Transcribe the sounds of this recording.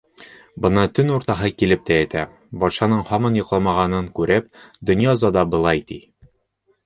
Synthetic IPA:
bɤ̆nɑt̪ɵnuɾt̪ɑɦɤkilɘp̚t̪ææt̪æ | bɒt̪ʃɑnɤɴhɒmɑnjŏqlˠɑmɑʁɑnɤŋkʉɾɘp̚d̪ŏnjɑzɑd̪ɑbɤ̆lˠɑjt̪i

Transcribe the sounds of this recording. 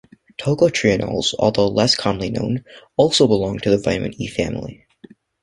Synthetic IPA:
tʰoʊkl̩tʰɹ̥iɨ̃nɔ̰lˠz̥ɔ̰lˠðoʊlɛskʰɑ̃mlinõ̰ʊ̃nɔlˠsoʊbəlɔ̃ŋtʰɨðɨvãɪ̃mɨ̰̃nifæ̰̃mlḭ

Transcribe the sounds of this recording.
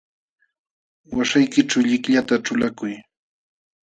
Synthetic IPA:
waʃajkɪʈ͡ʂawʎɪkʎat̪aʈ͡ʂʊlakʊj

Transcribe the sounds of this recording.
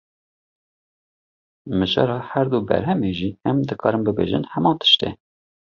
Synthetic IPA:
mɨʒɑ̰ːɾɑːhæɾd̪ubɛ̰ɾɦɛmeːʒiːɛmd̪ɨkʰɑːɾɨmbɨbḛːʒɨ̰nhɛmɑ̃ːnt̪ʰə̥ʃt̪ḛː

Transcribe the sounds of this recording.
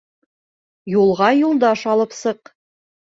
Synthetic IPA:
julˠʁɑjulˠd̪ɑʃɑlˠɤpsɤq

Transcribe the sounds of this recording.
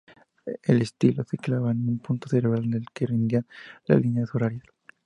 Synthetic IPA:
elest̪iloθeklaβanumpunt̪oθeɾeβɾald̪elkerind̪janla̰linjaðoɾaɾja

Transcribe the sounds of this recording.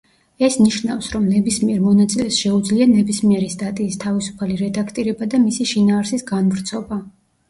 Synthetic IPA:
ɛsniʃnafsɾɔmnɛbismiɛɾmɔnat̪sʼilɛsʃɛud̪zlianɛbismiɛɾist̪ʼat̪ʼiːst̪ʰavisu̥pʰaliɾɛd̪akʰt̪ʼiɾɛbad̪amisiʃinaːɾsisɡanvɾt̪sʰɔba

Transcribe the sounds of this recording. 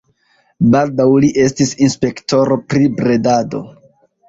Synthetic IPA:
baldawliʔe̞stisinspe̞kto̞ɾo̞pɾibɾe̞dado̞̰

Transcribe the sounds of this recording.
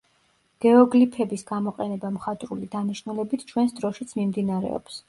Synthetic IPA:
ɡ̥ɛɔɡlipʰɛbisɡamɔqʼɛnɛbamχat̪ʼɾulid̪aniʃnulɛbit̪ʰt͡ʃʰwɛnsd̪ɾɔʃit̪sʰmimd̪inaɾɛ̰ɔ̰ps

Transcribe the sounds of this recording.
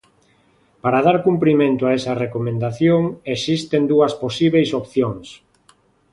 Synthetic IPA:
paɾað̞aɾkumpɾimẽnt̪ʊaesɐrekomẽnd̪aθjoŋesist̪end̪uɐsposiβejsopθjoŋs

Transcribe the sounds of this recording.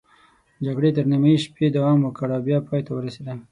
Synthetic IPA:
d͡ʒaɡɽet̪əɾnimaiʃped̪awɑmwəkəɽabjɑpɑjt̪awəɾased̪a

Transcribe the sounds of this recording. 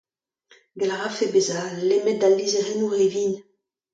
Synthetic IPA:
ɡalaʁafebezalemɛt̪̚d̪alːizeʁenuʁevin

